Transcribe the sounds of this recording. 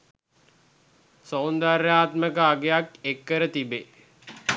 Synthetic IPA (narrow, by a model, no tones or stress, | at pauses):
sownd̪aɾjaːt̪məkəaɡejakekːəɾət̪ibe